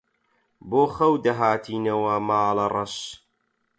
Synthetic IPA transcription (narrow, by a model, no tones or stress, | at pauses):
boːxɐwd̪ɐɦaːt̪ʰiːnɐwɐmaːlɐrˤɐʃ